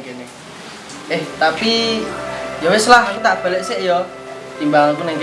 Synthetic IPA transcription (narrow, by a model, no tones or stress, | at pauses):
ene | eht̪api | jɔwesəlaɦakut̪aʔb̥a̤leʔseʔjɔ | t̪imbaŋakunɛŋk